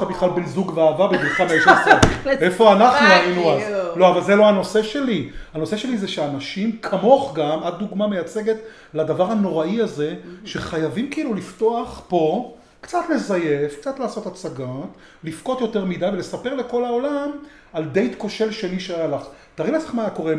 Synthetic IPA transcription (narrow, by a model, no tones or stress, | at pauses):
abiχlalbenzuɡveaːvabebilχameeʃseefo̞anaχnuʁainuazlo̞avalzeloano̞se̞ʃe̞liano̞seʃe̞lizeʃeanaʃimkʰamo̞χɡamad̪̚duɡmame̞jat͡se̞ɡe̞t̪ | ladavaʁhano̞ʁaiaze̞ʃeχajavimkiilulifto̞aχpo̞ | kt͡sat̪le̞zaje̞fk̚t͡sat̪laːso̞tat͡saɡat | lifko̞t̪jo̞te̞ʁmid̪ajvelesape̞ʁle̞ko̞lao̞lam | ald̪e̞jt̪ko̞ʃe̞lʃeniʃeajalaχ | t̪aʁilasaχmaako̞ʁe